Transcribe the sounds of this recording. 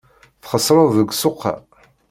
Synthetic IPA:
θχəsˤɾˤəðˤəɡʷsʊqːa̰

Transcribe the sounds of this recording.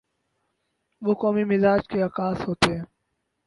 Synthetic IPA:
ʋoːkɔːmimɪzaːd͡ʒkeakaːsɦoːt̪eɦɛ̃ː

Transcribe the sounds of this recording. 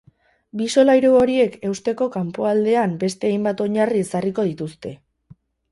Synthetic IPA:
biso̞lajɾooɾie̞ke̞wst̪e̞ko̞kampoald̪e̞ambe̞st̪e̞ajmbat̪o̞ɲarie̞sariko̞ð̞it̪ust̪e̞

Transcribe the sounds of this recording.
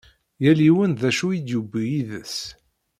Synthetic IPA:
jæliwənðæʃuid̪jubijiðəs

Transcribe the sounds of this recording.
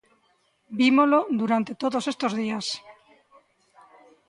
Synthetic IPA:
bimolod̪uɾant̪e̞t̪oðose̞st̪ozðias

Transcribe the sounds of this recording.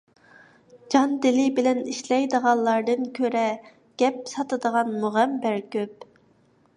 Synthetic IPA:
d͡ʒɑnd̪ɪlɪbɪlɛniʃlɛjd̪əʁɑllːˠɑɾd̪ɨnkʲʰøɾɛ | ɡ̥ʲɛp̚sɑt̪ɨd̪əʁɑnmuʁæmbæɾkʲøp̚

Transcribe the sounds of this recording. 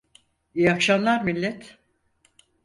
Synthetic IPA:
ijakʃamlˠaɾmilʲːɛt̪

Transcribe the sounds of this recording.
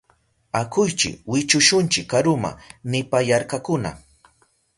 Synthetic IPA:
akʊjt͡ʃɪ̰wɪt͡ʃʊʃʊnt͡ʃɪkːaɾʊma̰nɪpajaɾkakʊna̰

